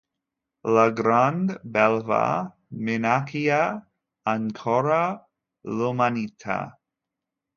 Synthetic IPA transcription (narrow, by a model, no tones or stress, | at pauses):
laɡɾand̪bɛlva̰ | menakia | aŋkʰɔɾa | lumanit̪ʰa̰